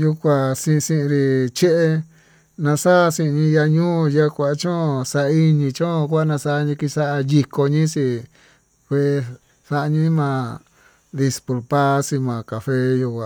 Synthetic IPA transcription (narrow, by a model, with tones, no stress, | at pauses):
ju˧kʷa˧sĩ˧sĩ˧ʔĩ˧ɾi˧t͡ʃe˦ʔe˧ | nã˧sa˦˧sĩ˧ɲĩ˧ja˧ɲũː˦˧ja˦kʷa˧ʔt͡ʃõ˦˧sa˧ʔi˦ɲĩ˧t͡ʃõ˦˧kʷa˦nã˧sa˧ɲĩ˧ki˧sa˦ʔa˧ji˧ko˧ɲĩ˦si˧ | ɸe˦˧ | sa˧ʔɲĩ˦mãː˧˨ | d̪i˧spu˧lpa˦si˧mã˨ka˨fe˦ju˧kʷa˧